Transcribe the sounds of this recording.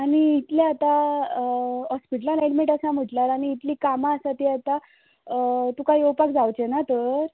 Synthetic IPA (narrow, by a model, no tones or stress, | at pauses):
aɽ̃iːt̪ljaat̪a | ɦɔspiʈəlaleʈmeʈasãm̤əʈlaɾaɽ̃iːt̪liːkamaəsat̪iat̪a | t̪ukaɦiowpakd͡zawt͡ɕenat̪əɾ